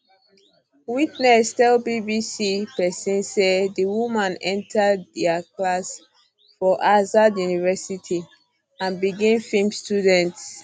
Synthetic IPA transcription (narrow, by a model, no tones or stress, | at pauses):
witnɛstɛlbibisipɛsĩnsedəwumãnɛ̃ntʰəddəklas | fɔʔazadjunivɛsitʰi | ãnbiɡɛ̃nfĩmstudɛ̃nts